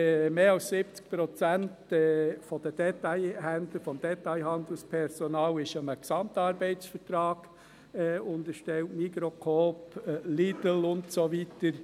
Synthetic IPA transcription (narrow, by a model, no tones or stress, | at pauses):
meːɑlssɪb̥̚t͡sk̚pɾɔt͡sæntɛfɔd̥əd̥ɛtaɪhænd̪ləfɔmd̥̪ɛtaɪɦɑnd̪əl̩spʰɛɾsɔnɑːlɪʃəməksɑmtɑːɾbɛɪt͡sfəɾtɾɑːɡ̥ | ʊnd̪əɾʃtɛltmikɾokʰoːplidəl̩ʊntsovitəɾ